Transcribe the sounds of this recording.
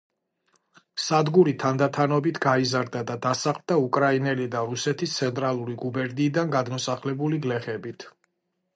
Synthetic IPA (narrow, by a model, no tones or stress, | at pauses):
sad̪ɡuɾit̪ʰand̪at̪ʰanɔbit̪ʰɡaizaɾd̪ad̪ad̪asaχld̪aukʼɾainɛlid̪aɾusɛt̪ʰist̪sʰɛnt̪ʼɾalˠuɾiɡubɛɾd̪iːd̪anɡad̪mɔsaχlɛbuliɡlɛχɛbit̪ʰ